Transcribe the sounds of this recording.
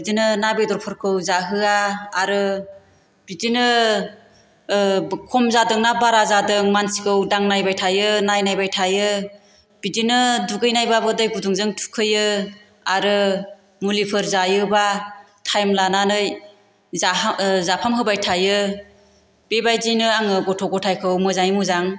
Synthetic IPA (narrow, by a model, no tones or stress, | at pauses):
bidinɯnabedɔɾpʰɯɾkʰɯwzaɦɯaːɾɯ | b̥idinɯ | kʰɔmzadɯŋnabaɾazadɯŋmansi̥kɯwdaŋnajbajtʰajɯnajnajbajtʰajɯ | b̥idinɯduɡɯjnajbabɯdɯjɡuduŋzɯŋtʰu̥kʰɯjɯ | aɾɯ | mulipʰɯɾzajɯba | tʰajmlananɯj | zazapʰamɦɯbajtʰajɯ | b̥ebajdinɯaŋɯɡɔtʰɔɡɔtʰajkʰɯwmɯzaŋjmuzaŋ